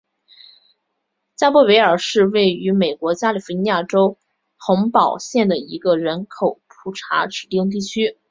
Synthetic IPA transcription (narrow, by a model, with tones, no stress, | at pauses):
t͡ɕja˥pɔ˥˩pe˧˥ɪə˞˨˩ʂɻ̩˥˧we˥˩ɪy˧˥me˨˩ɪkwɔ˧˥t͡ɕja˥li˨˩fu˧˥ni˧˥ja˥˩ʈ͡ʂo˥ʊ | xʊ˧˥ŋpɑ˨˩ʊɕjɛ˥˩nd̪ə˩i˧˥ɡə˧ɻə˧˥nkʰo˨˩ʊpʰu˨˩ʈ͡ʂʰa̰˧˥ʈ͡ʂɻ̩˨˩t̪i˥˧ŋt̪̬i˥˩t͡ɕʰy˥